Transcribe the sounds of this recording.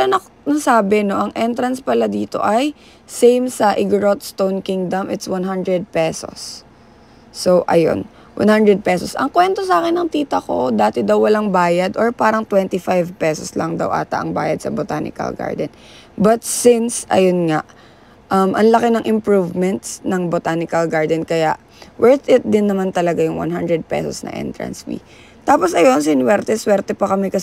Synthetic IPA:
ɐnɐ | nɐsaːbɛno̞ʔɐŋʔɛnt̪ɾɐnspɐlad̪iːt̪o̞̰ʔɐj | sejmsɐʔɪɡɹot̪st̪ownkiŋd̪ɐmʔɪt̪swanɦand̪ɹɛd̪̚pɛso̰sː | owʔɐ̰jo̰n | wʔa̰nhand̪ɾɛd̪̚pɛsosʔɐŋkwɛnt̪o̞saːkɛnːɐŋt̪iːt̪ɐko̞d̪aːt̪ɛd̪ɐwːɐlaŋbaːjɐd̪ʔoɹpaːɾɐŋt̪wɛnt̪ɪfajvpɛsoslɐŋd̪ɐ̰wʔa̰ːt̪ɐ̰ʔɐŋba̰ːjɐd̪̚sɐbot̪a̰ːnɪ̰kɐ̰lɡa̰ɹd̪ɛn | bɐt̪̚sɪnsʔɐ̰jonŋaʔ | ʔɐmʔɐnlɐkɪnɐŋʔɪmpɹuvmɛnt̪snɐŋbot̪aːnɪkɐlɡaɹd̪ɛnkɐjaʔ | wɛɹt̪ɪt̪̚d̪ɪnːɐmant̪ɐlɐɡajʊŋwa̰nɦand̪ɹɛd̪̚pɛ̰so̰snɐ̰ʔɛ̰nt̪ɹɐ̰nsfḭ | t̪aːposʔɐjo̞ns̬ɪnwɛɾt̪ɛswɛɾt̪ɛpɐkɐmɛkɐ

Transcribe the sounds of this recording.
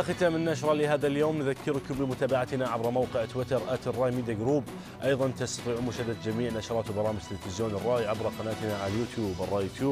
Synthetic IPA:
xɪt̪aːmɪnːaʃɾˤɑlɪɦaːðaljoːmnðakːɪɾkʊmbɪmʊt̪aːbaʕat̪naʕabɾˤɑmawqɪʕt̪wɪt̪ɑɾˤʔaːt̪rˤːɑːʔjmiːd̪aɡɾuːb | ʔɑjðˤɑnt̪ast̪ɑ̥t̪ˤiːʕmʊʃad̪ːad̪d͡ʒamiːʕnaʃɾˤɑːt̪wbɑɾˤɑːmɪd͡ʒt̪ɪlfɪzjoːnɪrˤːɑːʔiʕabɾˤɑqɑnaːt̪naʕajuːt̪juːbɑrˤːɑːjuːt̪juːb

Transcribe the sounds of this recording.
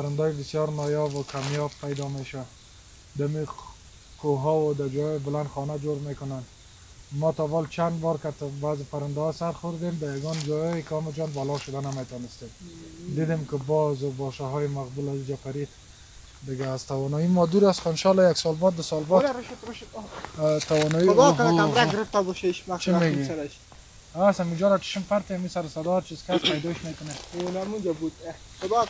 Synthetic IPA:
paɾɪnd̪ɔjɪbɪsjɔɾnɔjɔbʊkʰamjɔb̚pajd̪ɔmeʃa | d̪ami | koɦɔwʊd̪ad͡ʒɔjjbɪland̪xɔnad͡ʒoɾmekʊnan | mɔt̪ɔbɔlt͡ʃand̪bɔɾkat̪bazɪpaɾɪnd̪ahɔsaɾxʊɾd̪emd̪ajaɡɔnd͡ʒɔjɔjɪkɪɔmɪd͡ʒɔnbalɔʃʊd̪anamet̪ɔnɪst̪emd̪id̪emkɪbɔzobɔʃaɦɔjɪmaqbulazud͡ʒapaɾid̪ | d̪ɪɡaːzt̪awɔnɔimɔd̪uɾast̪xɔɪnʃɔlɔjaksɔlbɔt̪̚d̪asɔlbɔtɾʃt̪ɾʊʃt̪t̪awɔnɔiʊd̪ɔkamɾaɡɪɾɪft̪abɔʃeʃmat͡ʃimeɡiaɾaʃ | asamid͡ʒɔɾat͡ʃi̥ʃɪmfaɾt̪eamisaɾɪsad̪ɔɾt͡ʃizkaspajd̪ɔɪʃmekʊneolmud͡ʒabud̪xʊd̪ɔ

